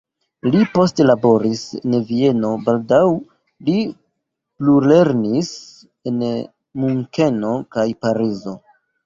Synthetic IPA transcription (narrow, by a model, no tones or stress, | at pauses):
lipo̞ste̞labo̞ɾisḛnvie̞no̞baldaw | li | plule̞ɾnis | e̞n | muŋke̞no̞kajpaɾizo̞